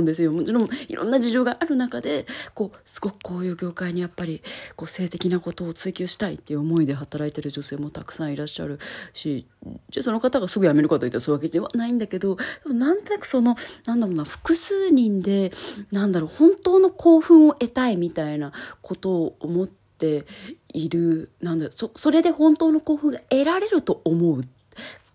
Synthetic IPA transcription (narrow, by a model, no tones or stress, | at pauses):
nd̪e̞sɨjo̞mo̞t͡ɕiɾõ̞ŋḭɾʔõ̰nːad͡ʑiʑo̞ːɡaʔaɾɯ̟nakad̪e̞ko̞ːsɨ̥ɡo̞kɯ̥ko̞ːjɯ̟ːɡʲo̞ːkaiɲ̟ijapːaɾʲiko̞se̞ːt̪e̞kʲinako̞t̪o̞ːt͡sɨːkʲoːɕi̥t̪aḭt̪ːe̞jɯ̟omo̞id̪e̞ɦat̪aɾait̪e̞ɾɯ̟ʑo̞se̞ːmot̪akɯ̥sãɰ̃iɾaɕːa̰ɾɯ̟ɕi | deso̞no̞kat̪aɡasɨɡɯ̟jame̞ɾɯ̟kat̪oit̪ːasoːaked͡ʑieβa̰naĩnd̪ake̞d̪o̞d̪̥e̞monãnt̪o̞nakɯ̟̥so̞no̞nãnd̪aɾonaɸɯ̟̥kɯ̟sɨːɲ̟ĩnd̪e̞nãnd̪aɾo̞ːhõ̞nt̪o̞ːno̞kʰo̞ːɸɯ̟̃ɰ̃o̞ʔe̞t̪aimʲit̪ainakʰo̞t̪o̞ːmo̞t̪ːe̞iɾɯ̟nãnd̪aososo̞ɾe̞d̪e̞hõ̞nt̪o̞ːno̞ko̞ːɸɯ̟̃ŋɡae̞ɾaɾe̞ɾɯ̟t̪o̞ʔːmo̞ɯ̟t̪